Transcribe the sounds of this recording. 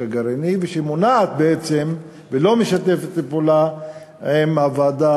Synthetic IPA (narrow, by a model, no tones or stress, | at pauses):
aɡaɾeniveʃemonaːt̪̚beet͡sem | velo̞meʃat̪efet̪ːepola | emavaːd̪a